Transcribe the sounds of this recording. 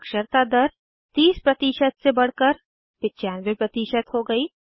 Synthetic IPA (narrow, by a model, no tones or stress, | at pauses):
ɐkʃəɾt̪ad̪ɐɾ | t̪iːspɾɐt̪iːʃət̪sebɐɽ̤kəɾ | pɪtːt͡ʃaːnʋepɾɐt̪iːʃət̪ɦoɡɐiː